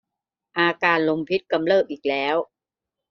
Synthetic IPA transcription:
ʔaː˧kaː˧nlo˧mpʰi˦˥t̪̚ka˧mlɤː˥˩p̪̚ʔiː˨˩k̚lɛː˦˥w

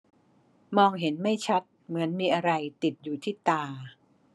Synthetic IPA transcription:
mɔː˧ŋɦe˩˦nma˥˩jt͡ɕʰa˦˥t̪̚mɯ˩˦ənmiː˧ʔa˧ɾa˧jt̪i˨˩t̪̚juː˨˩t̪ʰiː˥˩t̪aː˧

